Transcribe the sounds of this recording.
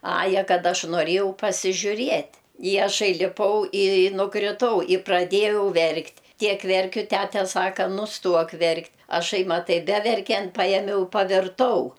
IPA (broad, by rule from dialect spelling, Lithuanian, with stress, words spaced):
ˈɑːjɛ ˈkɐt ˈɐʃ noːˈrʲeːjɛʊ pɐsʲɪʒʲʊˈrʲiɛtʲ ɪ ɐˈʃɐɪ lʲɪˈpɐʊ ɪ nʊkrʲɪˈtɐʊ ɪ prɐˈdʲeːjɛʊ ˈʋʲɛrktʲ ˈtʲiɛk ˈʋʲɛrʲkʲʊ ˈtʲætʲɛ ˈsɑːkɐ nʊsˈtuɔk ˈʋʲɛrktʲ ɐˈʃɐɪ mɐˈtɐɪ ˈbʲæːʋʲɛrʲkʲɛnt ˈpɑːjɛmʲɛʊ pɐʋʲɪrˈtɐʊ